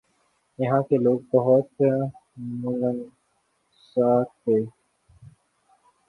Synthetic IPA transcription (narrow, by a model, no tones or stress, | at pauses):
jɐɦãːkeloːɡ̚bəɦʊt̪ | mʊlən | saːtɦeː